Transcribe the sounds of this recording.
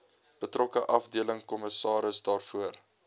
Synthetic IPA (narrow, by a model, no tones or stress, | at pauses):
b̥ətrɔkəʔɐfdiələŋkɔməsɑːɾəsdɑːrfuər